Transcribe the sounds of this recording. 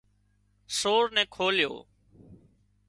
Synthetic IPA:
soːɾnɛ̃ːkʰoːljo̰ː

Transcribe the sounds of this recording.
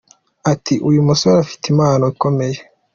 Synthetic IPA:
atiʔujumusoɾafi̥timaːnoiko̞me̞je

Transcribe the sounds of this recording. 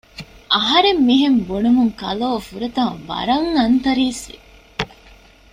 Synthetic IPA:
ʔɐɦɐɾemːiɦembonumuŋkɐ̰loːfuɾɐt̪ɐ̃ʋɐ̰ɾɐŋːɐnt̪ɐɾiːsʋi

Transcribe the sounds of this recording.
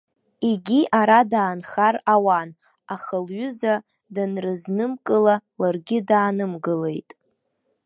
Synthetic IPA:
iɡʲiʔaɾadaːnχarawan | aχəlɥʊza | danrɨznɨmkʼɨlalarɡʲɪdaːnɨmɡɨle̞̰jtʼ

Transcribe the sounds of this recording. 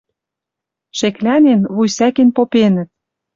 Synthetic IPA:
ʃeklænenβujsækenpopenə̆t̪̚

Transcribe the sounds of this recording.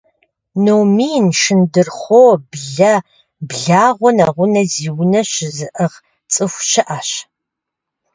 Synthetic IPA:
nomiːnʂɨndɨrχʷoːbɮɐ | bɮaːʁʷɔnaːʁʷʊnɐziːwʊnɐɕɪzɨʔəʁ | t͡sʼɨxʷʃɐʔaːɕ

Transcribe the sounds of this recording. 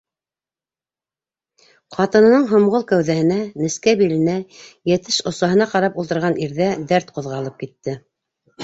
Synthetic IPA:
qɑt̪ɤ̆nɤ̆nɤɴɦŏmʁolˠkæwðæhɘ̆nænɘ̆skæbilɘ̆næjæt̪ɘʃŏsɑɦɤ̆nɑqɑɾɑpulˠt̪ɤ̆ɾʁɑniɾðæd̪æɾt̪qŏðʁɑlˠɤp̚kit̪ːɘ

